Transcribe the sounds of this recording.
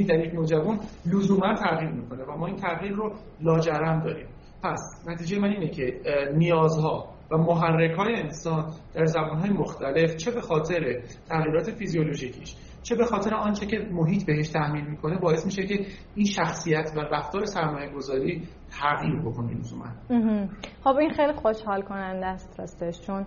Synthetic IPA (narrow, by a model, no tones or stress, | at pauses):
id̪æɾjecnod͡ʒævunlozuːmænt̪ʰæɣiːɾmiːkʰo̞nevæmɒːiːnt̪ʰæɣiːɾːo | lɒːd͡ʒæɾæmd̪ɒ̰ːɾḭːm | pʰæsnæt̪ʰiːd͡ʒejemæniːnecʰe̞nijɒːzhɒː | væmoɦærːekʰɒːjeːnsɒːnd̪̥æɾzæbuːnɦɒːje̞moxt̪ʰæle̞ft͡ʃʰe̞be̞xɒːt̪ʰe̞ɾe | t̪ʰæɣiːɾɒːt̪ʰe̞fiziolo̞ʒiːcʰiʃ | t͡ʃʰe̞be̞xɒːt̪e̞ɾeɒːnt͡ʃʰecʰe̞moɦiːt̪ʰbe̞ɦe̞ʃt̪ʰæhmiːnmiːkʰo̞ne̞bɒːe̞smiːʃece̞ | inʃæxsijæt̪ʰværæft̪ɒːɾe̞sæɾmɒːje̞ɡo̞zɒːɾiː | t̪ʰæɣjiːɾbo̞kʰo̞nḛnuzṵmæ̰nm̩ɦm̩χobinxejlixoʃhɒːlkʰonænd̪æst̪hæst̪eʃt͡ʃʰon